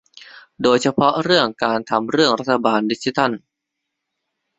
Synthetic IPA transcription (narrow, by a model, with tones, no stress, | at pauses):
doː˧jt͡ɕʰa˧pʰɔ˦˥ɾɯ˥˩əŋkaː˧nt̪ʰa˧mɾɯ˥˩əŋɾa˦˥t̪ʰːa˧baː˧ndi˦˥k̚si˦˧t̪ʰa˥˩n